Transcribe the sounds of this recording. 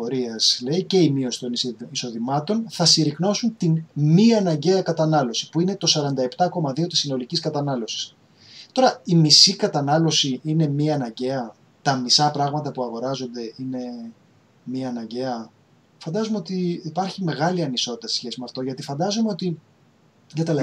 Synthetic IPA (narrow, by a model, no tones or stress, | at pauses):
oɾiɐsle̞ice̞imio̞si̥t̪o̞niso̞ðimɐt̪o̞nθɐsiɾikno̞sunt̪inmiɐnɐɲɟe̞ɐkɐt̪ɐnɐlo̞si̥puine̞t̪o̞sɐɾɐnd̪ɐe̞pt̪ɐko̞mɐðio̞t̪isino̞liciskɐt̪ɐnɐlo̞si̥s | t̪o̞ɾɐimisikɐt̪ɐnɐlo̞siine̞miɐnɐɲɟe̞ɐ | t̪ɐmisɐpɾɐɣmɐt̪ɐpuɐɣo̞ɾɐzo̞nd̪e̞ine̞ | miɐnɐɲɟe̞ɐ | fɐnd̪ɐzumeo̞t̪iːpɐɾçime̞ɣɐliɐniso̞t̪it̪ɐse̥sçe̞simeɐft̪o̞ʝɐt̪ifɐnd̪ɐzumeo̞t̪i | ʝɐt̪el